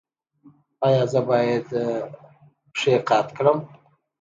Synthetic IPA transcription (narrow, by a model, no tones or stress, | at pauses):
ɑjɑzəbɑjed̪ | pʂeqɑt̪kɽəm